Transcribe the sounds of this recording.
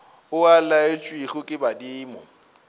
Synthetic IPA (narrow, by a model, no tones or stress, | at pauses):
ʊalaet͡ʃʼwiɣʊkʼɪbadiːmʊ̰